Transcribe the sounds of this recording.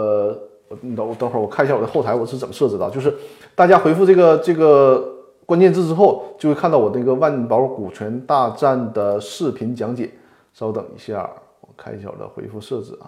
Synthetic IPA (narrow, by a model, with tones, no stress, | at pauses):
wɔ˨˩˧ŋxwɔ˨˩kʰɕja˥˩wɔ˨˩ə˦xo˥˩ʊa˧˥ɪwɔ˨˩ʂ̩˥˩ə˨˩mə˦ʂɤ˥˩ʈ͡ʂɹ̩˧˩d̪ə̰˨˩t͡ɕjo˥˧ʊʂɻ̩˧ | t̪a˥˩t͡ɕja˥xwe˧˥ɪfu˥˧ʈ͡ʂɤ˥˩ɡə˩ʈ͡ʂɤ˥˩ɡə˩ | kwa˥nt͡ɕjɛ˥˧nʈ͡ʂ̩˥˧ʈ͡ʂɻ̩˥xo˥˩ʊt͡ɕjo˥˧xwkʰa˥˧nt̪ɑ˥˩ʊwɔ˨˩d̪ə˥˩˧ɡə˧wa˥˧n˥˩pɑ˧˥ʊɔ˥˩ku˨˩t͡ɕʰɥɛ˧˥nt̪a˥˧ʈ͡ʂa˥˩nd̪ə˩ʂɻ̩˥˩pʰi˧˥nt͡ɕjɑ˧˥ŋt͡ɕjɛ̰˨˩˦n | ʂʊt̪ɤ̰˨˩ŋḭ˧˥ɕja̰˥˩wɔ̰˨˩kʰa˥ni˧˥ɕja̰˥˩wɔ̰˨˩d̪ə̰˦xwḛ˧˥ɪfu˥˧ʂɤ˥˩ʈ͡ʂɻ̩̰˥˩˦